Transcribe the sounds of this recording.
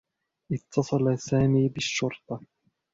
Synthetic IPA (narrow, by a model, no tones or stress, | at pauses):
ʔɪt̪ʰːɑsˤɑlasaːmiːbɪʃːʊɾt̪ˤɑ